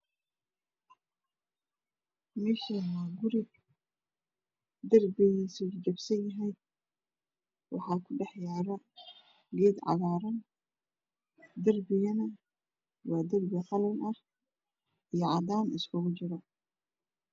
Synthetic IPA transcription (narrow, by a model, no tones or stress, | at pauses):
mɛʃɐmaːɡʊɾɪb̚ | d̪ɐrbɪjisʊt͡ʃɐbsɐnjɐɦɛj | wɑ̰ħɑːkʰʊɖɛħjaːɾɐ | liːd̪ʕɑ̰ðaːɾɐn | d̪ɐrbɪjɐnɐ | wɑːd̪ɐrbɪqɑlɐnɐh | ijɔʕɑd̪aːnɪskʰʊɣʊt͡ʃɪɾɐ